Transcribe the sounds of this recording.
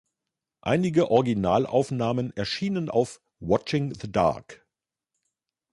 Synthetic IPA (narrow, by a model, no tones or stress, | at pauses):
ʔa̰ɪnɪɡəʔɔʁɪɡinaːlʔa̰ʊfnaːmənɛɐʃiːnəna̰ʊf | wɑt͡ʃɪŋðəda̰ɐk